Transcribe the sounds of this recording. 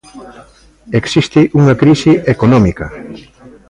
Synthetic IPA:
eksist̪iʔuŋɐkɾisiʔekonɔ̃mikɐ

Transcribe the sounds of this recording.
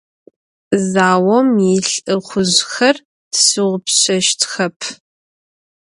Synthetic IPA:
zaːwɔmjiɬʼɨχʷʊʑxɐr | tsɨʁʷʊpɕɐʃtʰxɐpʰ

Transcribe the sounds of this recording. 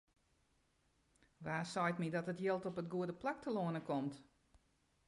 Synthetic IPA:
ʋaːsɔjtmidɔtətjɪlˠtɔpət̚ɡuədəplak̚tʰəloənəkɔmt

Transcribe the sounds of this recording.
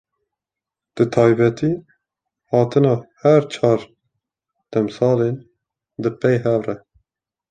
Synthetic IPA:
d̪̥ɨt̪ʰɑːjbɛt̪iː | hɑːt̪ɨnɑːhɛɾt͡ʃʰɑːɾ | d̪̥ɛmsɑːlen | d̪ɨpɛjɦɛvrɛ

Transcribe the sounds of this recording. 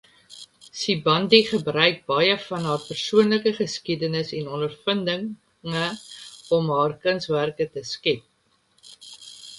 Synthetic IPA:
sibɐndiχəbrœɥk̚bɐjəfɐnɦɑːrpærsuənləkəχəskidənəsɛnɔndərfəndəŋ | ŋəɔmɦɑːrkənsværkətəskɛp̚

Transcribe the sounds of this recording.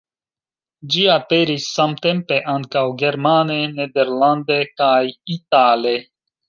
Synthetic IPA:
d͡ʒiapeɾisːamt̪empeʔaŋkawɡeɾmanened̪eɾland̪ekajit̪ale

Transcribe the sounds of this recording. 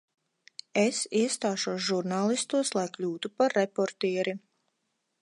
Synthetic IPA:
esiɛst̪aːʃuɔsʒuɾnaːlˠist̪uɔslˠajklʲuːt̪upaɾːepɔɾt̪ɛːɾi

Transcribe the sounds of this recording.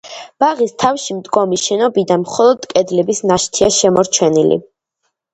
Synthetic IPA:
b̥aʁist̪ʰafʃimd̪ɡɔmiʃɛnɔbid̪anmχɔlˠɔd̪kʼɛd̪lɛbisnaʃt̪ʰiaʃɛmɔɾt͡ʃʰɛnilḭ

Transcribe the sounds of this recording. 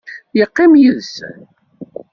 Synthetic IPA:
jəqːɪmjiðs

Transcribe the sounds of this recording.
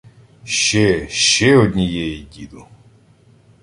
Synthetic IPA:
ʃt͡ʃɛʃt͡ʃɛɔdʲnʲijɛjidʲid̪ʊ

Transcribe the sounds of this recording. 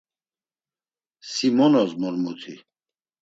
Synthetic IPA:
simɔnɔzmɔlmut̪ʰi

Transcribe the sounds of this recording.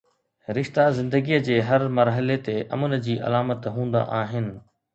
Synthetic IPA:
ɾɪʃt̪azɪ̃nd̪əɡiːəd͡ʑeːɦɐɾmɐɾɦəlet̪eʔɐ̰mənd͡ʑiːʔɐ̰laːmət̪ɦũːn̆d̪a̰ʔaːɦɪnɪ̆

